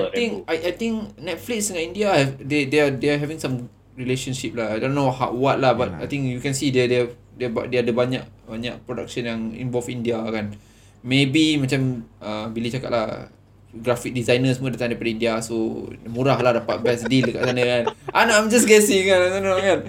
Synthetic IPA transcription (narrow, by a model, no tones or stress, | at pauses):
at̪ĩŋkajʔajt̪ĩŋknɛt̪̚fliksdəŋaʔĩndiaɛdedeadeaɦɛvĩŋsãm | ɹileʃənʃip̚lahajdõnːohaʔwat̪̚lahbat̚a̰jt̪ĩŋkjukɛ̃nsidədɛ | dɛbadadəbaɲa̰ʔbaɲa̰ʔpɾoda̰k̚ʃənjaŋḭ̃ɱvɔlfĩndiakan | mebimãt͡ʃaməbilit͡ʃaka̰t̪̚lah | ɡɾafik̚dizajnəsmədat̪ãŋdaɾjpadəindiasomuɾahlahdapat̪̚bɛsdildəka̰ʔsanəkanʔanãjmd͡ʒasɡɛsĩŋkanajdonokan